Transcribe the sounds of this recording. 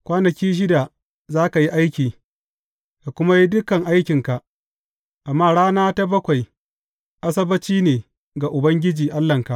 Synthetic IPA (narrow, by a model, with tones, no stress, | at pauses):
kʷaː˦nɐ˨kʲiː˦ʃ̬ɪ˦da˨ | zaː˦ka˨ji˦ʔa˦jkʲiː˨ | ka˨kʷʊ˦ma˦ji˦dʊ˦kɐ˨ŋʔa˦jkʲɪ˨ŋka˨ʔ | ʔa˨mːaː˦˨ɽaː˦naː˦ta˦bɐ˦kʷa˨j | ʔa˦s̬ɐ˦bɐ˦t͡ʃiː˦neː˨ | ɡa˨ʔʊ˨bɐ˦ŋɡʲɪ˦d͡ʒiː˨ʔa˦lːɐ˨ŋka˨ʔ